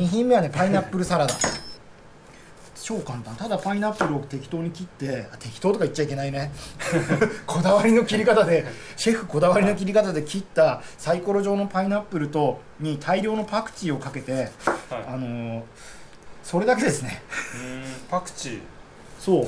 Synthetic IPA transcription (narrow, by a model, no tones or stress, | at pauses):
ɲiçĩmːe̞βane̞painapːɯ̟ɾɯ̟saɾad̪a̰ | ɕoːkãnt̪ãnt̪ad̪apainapːɯ̟ɾɯ̟ot̪e̞kʲi̥t̪o̞ːɲ̟ikʲit̪ːe̞at̪e̞kʲi̥t̪o̞ːt̪o̞kaitt͡ɕːt͡ɕaike̞naine̞ | kʰo̞d̪aβaɾʲino̞kʲiɾʲikat̪ad̪e̞ | ɕe̞ɸɯ̟ko̞d̪aβaɾʲino̞k̬ʲiɾʲikat̪ad̪e̞kʲit̪ːasaiko̞ɾo̞ʑo̞ːno̞painapːɯ̟ɾɯ̟t̪o̞ | ɲ̟it̪ʰaiɾʲo̞ːno̞pakɯ̟̥t͡ɕio̞kake̞t̪e̞ano̞ | so̞ɾe̞d̪ak̬e̞d̪e̞sɨne̞ | pakɯ̥t͡ɕi | soː